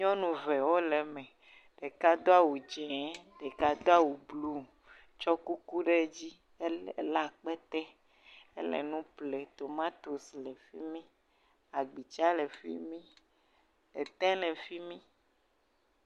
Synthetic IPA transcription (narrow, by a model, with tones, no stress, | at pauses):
ɲɔ̃˦nũ˨vɛ˨wo˦lɛ˨mɛ̃˨ | ɖ̥e˨ka˦d̪o˦a˨wu˨d͡ʒɛ˨˦ɖɛ˨ka˦d̪o˦a˦wu˨blu˦ | t͡ʃɔ˦ku˦ku˦ɖe˦d͡ʑi˦ | la˨k͡pɛ˦t̪ɛ˦ | e˦lɛ̰˨nũ˦ple˨t̪o˨mã˦t̪o˨slɛ˨fi˦mĩ˦ | a˨ɡ͡bi˨t͡ʃa˦le˨fḭ˦mĩ˦ | e˨t̪ɛ̃˦lɛ˨fi˦mĩ˦